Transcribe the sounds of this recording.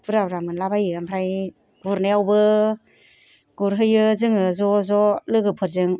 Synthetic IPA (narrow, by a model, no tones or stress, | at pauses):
pɯɾabɾamɯnlabajɯampʰɾaj | ɡuɾneawbɯ | ɡ̥uɾɦɯjɯzɯŋɯzɔzɔlɯɡɯpʰɯɾzɯŋ